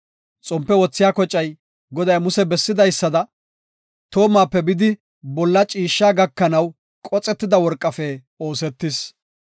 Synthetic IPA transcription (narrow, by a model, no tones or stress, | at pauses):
t͡sʼɔmpːɛwɔt͡sːɪjaːkɔt͡ʃʼːɐj | ɡɔd̪ɐjmʊsɛbɛsːɪd̪ɐjsːɐd̪ɐ | t̪o̞ːmːaːpːɛbɪd̪ɪ | bɔlːɐt͡ʃʼiːʃːaːɡɐkːɐnɐw | kʼɔt͡sʼɛt̪ːɪd̪ɐwɔɾkʼːɐfɛ | o̞ːsɛt̪ːɪs